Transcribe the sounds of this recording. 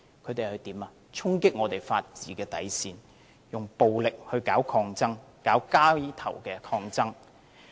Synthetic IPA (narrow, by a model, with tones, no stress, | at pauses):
kʰɵ˨˧ɥt̪e˨jhɵ˧ɥt̪iː˨˥maː˨ | t͡ʃʰʊ˥ŋkɪ˥k̚ŋɔː˨˧t̪e˨jfaː˧t̚t͡siː˨˥kɛː˧t̪ɐ̰˨˥jsiː˧n | jʊ˨˩ŋpo˨wlɪ˨k̚hɵ˧ɥkaː˨˥wkʰɔː˧ŋt͡sɐ˥ŋkaː˨˥wkaː˥i˥t̪ʰɐ˨˩wkɛː˧kʰɔː˧ŋt͡sɐ˥ŋ